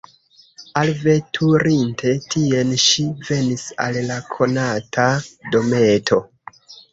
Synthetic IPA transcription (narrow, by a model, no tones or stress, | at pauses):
alvetʰuɾintʰe̞tʰie̞nʃive̞nisa̰llakʰo̞natʰado̞metʰo̞